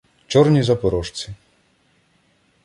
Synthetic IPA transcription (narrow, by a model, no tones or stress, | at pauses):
t͡ʃɔrnʲizɐpɔɾɔʂt͡s̪ʲi